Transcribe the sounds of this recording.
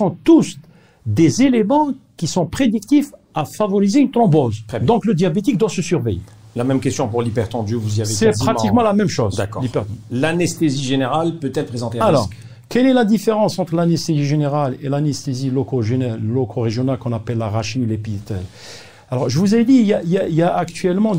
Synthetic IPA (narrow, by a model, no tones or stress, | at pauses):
sɔ̃t̪us | d̪ezelemɑ̃kisɔ̃pχed̪ik̚t̪if | afavɔʁizeynt̪lɔ̃bozd̪ɔ̃kləd̪jabet̪ik̚d̪wasəsyʁvejḛ | lamɛmkʲɛst̪jɔ̃puʁlipɛʁt̪ɑ̃d̪øvuziavesɛp̪χat̪ikmɑ̃lamɛmʃozd̪akɔlipɛʁt̪lanɛst̪eziʒeneʁalpøt̪ɛlpχezɑ̃t̪ealɔʁ | kɛlɛlad̪ifeʁɑ̃sɑ̃t̪χəlanɛst̪eziʒeneʁalelanɛst̪ezilɔkoʒenɛlːɔkʰoʁeʒjɔnalkɔ̃napɛlːaʁaʃinlepit̪ɛ̰l | alɔʁʒəvuzɛd̪ijaljailjaːkt̪ɥɛlmɑ̃